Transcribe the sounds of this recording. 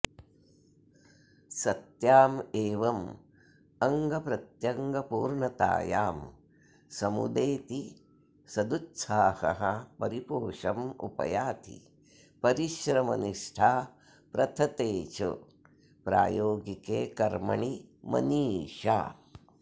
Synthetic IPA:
sɐt̪jaːmeːʋɐm | ɐŋɡɐpɾɐt̪jɐŋɡɐpuːɾɳɐt̪a̰ːjaːm | sɐmṵd̪eːt̪i | sɐd̪utːsʰaːhɐ̰ɦɐpɐɾipoːʂɐmṵpɐ̰jaːt̪ʰḭ | pɐɾiʃɾɐmɐniʂʈʰaː | pɾɐt̪ʰɐt̪eːt͡ʃo̰ | pɾa̰ːjoːɡikeːkɐɾmɐ̰ɳimɐ̰niːʂa̰ː

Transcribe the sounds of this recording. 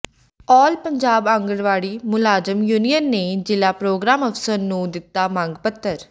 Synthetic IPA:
ɔːlpəɲd͡ʒaːbãŋɡəɽʋaːɽiːmʊlaːzəmjuːnijənːeːd͡ʒɪlaːpɾoːɡɾaːməfsəɾnũːd̪ɪt̪ːaːmãŋɡpət̪ːəɾ

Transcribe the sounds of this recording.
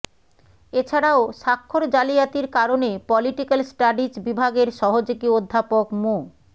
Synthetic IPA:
et͡ɕʰaɽaoʃakʰːoɾd͡ʑalijat̪iɾkaɾonepɔliʈikalsʈaɖid͡ʑbibʱaɡeɾʃɔɦod͡ʑoɡiod̪ʱːapokmo

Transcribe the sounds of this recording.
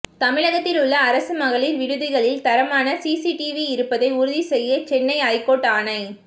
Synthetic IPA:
t̪ɐmɪɻɐɣɐt̪ːɪlɯɭːɐːɾɐsɯmɐɣɐɭɪlʋɪɽɯðɪɣɐɭɪlt̪ɐɾɐmaːnɐsiːsiʈiʋiɪɾɯpːɐðɐɪʊɾʊðisɛjːɐt͡ʃɛnːɐɪaːjkoːʈːaːnɐɪ

